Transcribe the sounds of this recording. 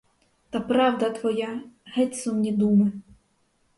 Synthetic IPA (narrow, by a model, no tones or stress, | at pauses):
t̪ɑpɾɑwd̪ɐt̪ʋɔjaɦɛt̪ʲsɔmnʲid̪umɪ